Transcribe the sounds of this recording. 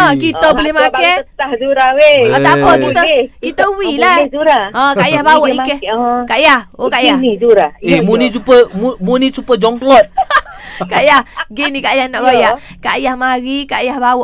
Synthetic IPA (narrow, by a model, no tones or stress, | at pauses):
akit̪əbəlehmakɛt̪ahd͡ʒuɾawepat̪apəkit̪əkit̪əwilauɾaə̃kajahbawɔʔikɛhkaʔjahokajad͡ʒuɾaemunit͡ʃupəmumunit͡ʃupəd͡ʒɔŋklɔt̚ | kaʔjahɡenikajahnɔʔɡojaʔ | kaʔjahmaɾikaʔjahbawɔʔ